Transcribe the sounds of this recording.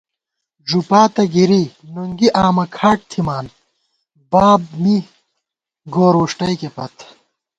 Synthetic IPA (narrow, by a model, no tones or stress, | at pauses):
d͡ʑupaːt̪ɐɡiɾinuŋɡiʔaːmɐkʰaːʈ̚t̪ʰimaːn | baːb̚mi | ɡoːɾuːʂʈɐikepɐt̪ʰ